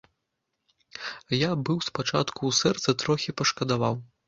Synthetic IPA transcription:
jabɨwspat͡ʂat̪kuːsɛrt̪sɐt̪ɾɔxʲipɐʂkɐd̪avaw

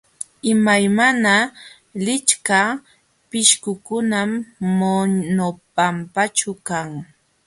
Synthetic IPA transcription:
ɪmajmana | lɪt͡ʃka | pɪʃkʊkʊnamːonnopampat͡ʃʊkaŋ

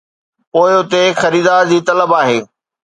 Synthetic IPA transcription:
poːɪʊt̪exɐɾiːd̪aːɾd͡ʑiːt̪ɐləbaːɦeː

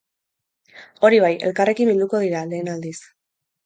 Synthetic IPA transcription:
o̞ɾiβ̞aje̞lkare̞kimbild̪uko̞ðiɾale̞ːnald̪is

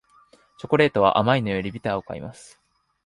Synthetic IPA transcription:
t͡ɕo̞ko̞ɾe̞ːt̪o̞β̞a̰ʔamainojoɾʲibʲit̪aaoka̰ḭmʔasɨ̥

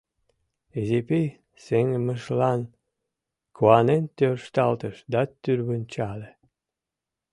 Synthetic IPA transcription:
ezepʲej | seŋməʃlɑn | kʰuɑnent̪ʲørʃt̪ɑlt̪əʃd̪ɑt̪ːyɾβənt͡ɕɑle

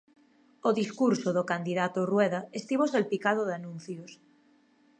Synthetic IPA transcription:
oðiskuɾsoðokand̪iðat̪orweðaest̪iβoselpikað̞oðanũn̟θjos

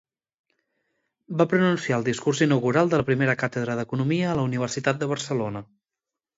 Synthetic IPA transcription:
bapɾənunsiaəlˠd̪iskurzinəwɣuɾalˠd̪ələpɾimeɾəkat̪əðɾəðəkunumiəːləuniβ̞ərsit̪at̪̚d̪əβ̞ərsəlonə

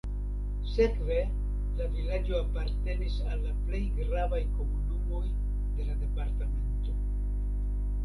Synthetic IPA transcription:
sekve̞ | lavilad͡ʒo̞apaɾte̞nisalːaple̞jɡɾavajko̞munumo̞j | d̪e̞lad̪e̞paɾtame̞nto̞

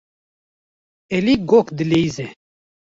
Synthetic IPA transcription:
eliɡokd̪ileize

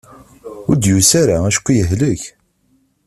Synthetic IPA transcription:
ʊɾd̪jusaɾaæʃkʷːjəɦləç

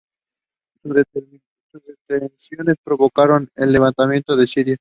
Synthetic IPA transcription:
soβɾet̪eɾminant̪ozet̪ensjo̞ne̞spɾo̞βo̞kaɾo̞ne̞lːe̞β̞ant̪amje̞nt̪oðe̞siɾja

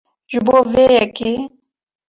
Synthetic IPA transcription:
ʒɨboːveːjɛkeː

